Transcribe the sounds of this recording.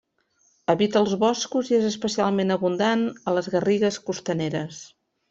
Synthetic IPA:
əβit̪əːlˠzβɔskuziezəspəsialˠmenəβund̪anələzɣəriɣəskust̪əneɾəs

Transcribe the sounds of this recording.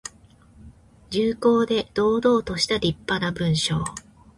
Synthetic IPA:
d͡ʑɨːko̞ːd̪e̞d̪̥o̞ːd̪o̞ːt̪o̞ɕi̥t̪aɾʲipːanabɯ̟̃ɰ̃ɕo̞ː

